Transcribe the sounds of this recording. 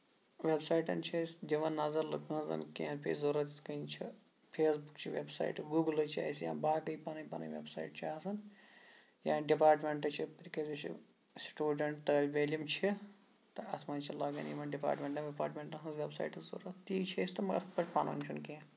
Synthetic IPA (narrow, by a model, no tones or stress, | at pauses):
ʋebsaːiʈɐnt͡ʃʰɐsd͡ʒɐʋɐnːɐzɐɾlɐkʰɐ̃zɐ̰nkiẽːpʲḛːzuɾɐt̪kɐint͡ʃʰi | pʰeːsbukt͡ʃʰiʋḛbsa̰ːiʈɡuːɡlɐt͡ʃʰa̰ːisjã̰ːbaːkɐipɐnɐpɐnɐ̰̃ʋʲḛbsa̰ːiʈt͡ʃʰaːsɐn | jã̰ːnɖipaːɾʈmeɳʈɐt͡ʃʰipɐɾkɐzɐt͡ʃʰḭ | sʈuːɖɐɳʈt̪əːlʲʋeːlɐmt͡ʃʰi | t̪ɐɐt̪ʰmɐːnt͡ʃʰilɐːɡɐ̰nimɐɖipa̰ːɾʈmʲeɳʈɐʋipaːɾʈmẽɳʈɐɦɐ̃sʋʲebsa̰ːjiʈɐzo̰ɾɐt̪ːiːt͡ʃʰesʲt̪ɐmɐɐɾpɐt͡ʃpɐnɐ̰nt͡ʃʰunkẽ